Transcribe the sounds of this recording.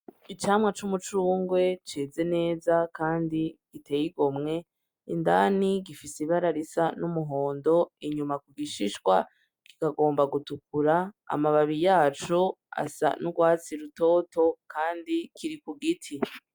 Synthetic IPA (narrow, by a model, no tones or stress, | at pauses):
it͡ʃaːmŋat͡ʃumut͡ʃuːŋɡwe̞t͡ʃeːze̞ne̞ːzakaːndiɡ̥itʰe̞jiɡomŋe̞ | indaːniɡifiseiβaɾaɾisanumuɦo̞ːndo̞iɲumakuɡiʃiʃɡwa | kikaɡo̞ːmbaɡutukuɾa̰ːmaβaβijaːt͡ʃua̰sa̰nuɡwaːt͡siɾuto̞ːto̞kaːndikʰiɾikuɡitʰi